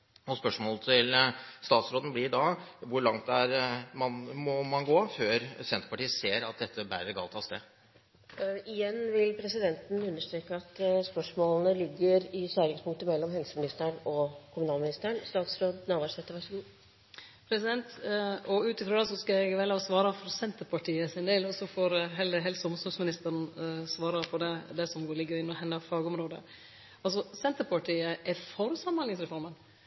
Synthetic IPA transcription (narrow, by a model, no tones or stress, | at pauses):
ɔspœʂmoːlət̪ʰɪlst̪ɑːt̪sɾoːd̪ən̩bliːɖɑʋʊɾɭɑŋt̪d̪ɛæɾmɑnmɔmɑnɡoːføːɾsɛnt̪əpɑʈiːəseːɾɑt̪̚d̪ɛt̪ʰːəbæ̰ɾəɡɑ̰lt̪ʰɑst̪ḛː | ɪjɛnːʋɪlpʰɾɛsɪd̪ɛnt̪n̩ʉnːəʂt̪ɾeːkəɑt̪spœʂmoːlnəlɪɡːəɾɪsøɾɪŋspʊŋkt̪əmɛlːɔmɦɛlsəmɪnɪst̪əəɳɔkʰʊmʉnɑːlmɪnɪst̪əɳst̪ɑːɡ̪sɾoːd̪nɑːʋɑʂɛt̪əɾʋæʂəɡuː | pʰɾɛsɪd̪ɛnt̪ɔʉːt̪ɪfɾɔd̪ɛsɔskɑɛɡʋɛlɑsʋɑːɾɑfɔɾsɛnt̪əɾpʰɑʈʰiːəsɪnd̪eːlɔsɔfɔɾɦɛləɦɛlsɔmsɔsmɪnɪst̪əɾnsʋɑːɾəpʰɔd̪ɛd̪ɛsɔmɡoːɾlɪɡːəɾɪnɔhɛnːɑfɑːɡəɔmɾoːd̪ə̰ | ɑls̬ɔsɛnt̪əɾpʰɑʈiːəʔɛfɔɾʉsɑmːɑnɪŋsɾɛfɔɾmən